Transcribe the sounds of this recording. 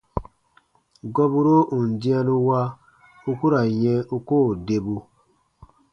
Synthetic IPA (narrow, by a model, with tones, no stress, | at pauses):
ɡɔ˦bu˦ɾo˦ʔu˨n˨dĩ˦a˦nũ˦wa˦ | u˦ku˦ɾa˨jɛ̃˦u˦ko˦˨de˨bu˦